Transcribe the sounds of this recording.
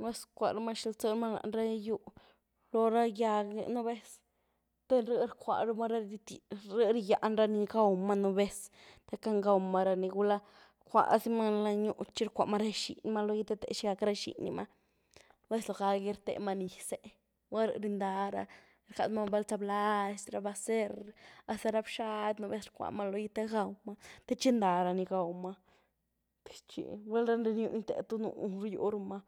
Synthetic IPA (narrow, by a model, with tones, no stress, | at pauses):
we˦skʷa̰˨ɾa˧ma˦ʃi˧lt͡so˦˧ɾma˦na̰˨nɾa˦˧ju˧ | lo˧ɾa˦ja˧ɡ̰nu˦be˦s | t̪e˦ɾə˦˧ɾkʷa̰˨ɾu˦ma˦ɾa˦i˧t̪ɾə˦ɾi˧ja˨ʔnɾa˧ni˧ɡa˦u˨˧ma˧nu˧be˦s | t̪e˧ka˦ŋɡa˧ma˧ɾa˧ni˧ɡu˦la˦ | kʷa̰˨si˦ma˦˧la˧ɲu˧t͡ʃi˦ɾkʷa˨ʔma˦ɾe˦ʃḭ˨n˧ma˦lo˧ji˦t̪e˦t̪ḛ˨ʃi˧ɡa˧kɾa˦ʃḭ˨nḭ˧ma˦ | be˦slo˧ɡa˧ɡi˧˦ɾt̪ḛ˧ma˧ni˨se˦ | ɡʷa˦ɾ̰ɾi˧nd̪a˧ɾa̰˧ | ɾka˧t̪ma˦˧be˦lt͡sa˧bla˦e˧sɾa˧ba˧se˦ɾa˧st̪a˧ɾa˧bʃa˦t̪no˧be˦sɾkʷa̰˨ma˦lo˧ji˧t̪e˦ɡa˧wma˦t̪e˦t͡ʃi˦nd̪a˨ɾa˧ni˧ɡa˨wma˧ | t̪i̥˨t͡ʃḭ˨wʷe˦lɾa˦nɾe˧nju˧ni˦t̪ḛ˨t̪u˦nṵ˧˨˦ɾjṵ˧ɾma˧